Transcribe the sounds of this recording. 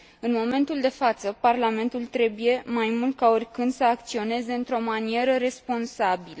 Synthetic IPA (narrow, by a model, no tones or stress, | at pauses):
ɨnmo̞me̞nt̪uld̪e̞fat̪səparlame̞nt̪ult̪ɾe̞buje̞majmult̪̚kao̞rʲkɨnd̪səak̚t̪sio̞ne̞ze̞ɨnt̪ɾo̞manie̞ɾəɾe̞spo̞nsabilə